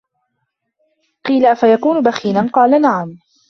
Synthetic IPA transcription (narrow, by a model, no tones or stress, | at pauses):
qiːlafajakuːnʊbaxiːnanqɑːlanaʕam